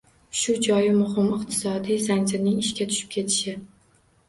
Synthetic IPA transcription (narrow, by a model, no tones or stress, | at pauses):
ʃʊd͡ʒɒjɪmʊɦɪmɪq̚t̪ʰɪ̥sɒd̪ijzanʲd͡ʒɪɾnɪŋɪʃkʲat̪ʰʊ̥ʃɪ̥p̚kʲʰe̞t̪ʰɪ̥ʃɪ